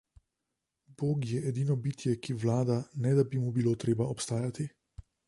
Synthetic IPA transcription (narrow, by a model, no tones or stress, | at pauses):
boːɡjɛʔɛd̪iːnɔbiːt̪jɛkiʋlaːd̪anɛd̪abimubiloːt̪ɾeːbaɔpst̪aːjat̪i